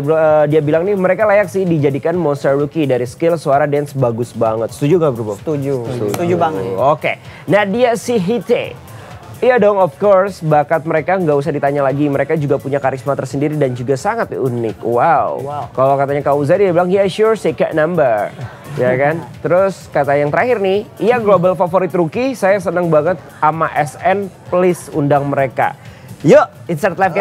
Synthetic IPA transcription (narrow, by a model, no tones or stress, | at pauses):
bədiabilaŋnɪhməɾekalajaksɪhdid͡ʒadikanmɔnst̪ərlukidaɾisə̥kɪlsuaɾadɛnsbaɡʊsbaŋət̪̚st̪ud͡ʒuŋɡabəɾubat̪ud͡ʒust̪ud͡ʒud͡ʒubaŋəokenadiasiɦit̪ḛ | jadɔŋɔfkɔrsbakat̪̚məɾekaŋɡaʔus̬ahdit̪aɲalaɡiməɾekad͡ʒuɡapuɲakaɾismat̪ərsəndiɾidand͡ʒuɡasaŋat̪̚unɪ̰k̚waṵkalokat̪aɲakauzadiabilaŋjaʃursekɛ̰ʔ̚nambəɾ | jakant̪əɾʊskat̪ajaŋt̪əɾaɦɪrnɪhiaɡlobəlfafoɾɪt̪ɾukisajasənəŋbaŋət̪̚amaʔɛsɛnplɪsundaŋməɾeka̰ | jəɪnsart̪lafk